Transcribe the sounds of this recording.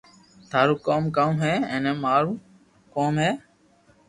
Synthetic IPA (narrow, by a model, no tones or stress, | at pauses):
t̪ʰaːɾuːkoːmkəmɦeːɛ̃ːneːmaːɾuː | koːmɦeː